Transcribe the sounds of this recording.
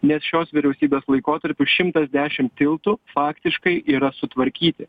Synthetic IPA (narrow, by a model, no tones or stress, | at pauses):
nʲɛsʃʲoːsʋʲɪɾʲɛʊsʲiːbʲeːslˠɐɪkoːt̪ɐɾʲpʲʊʃʲɪmt̪ɐzd̪ʲæːʃʲɪmtt̪ʲɪlˠt̪ʊfɑːkt̪ʲɪʃkɐɪʔiːɾɐsʊt̪ʋɐɾʲkʲiːt̪ʲɪ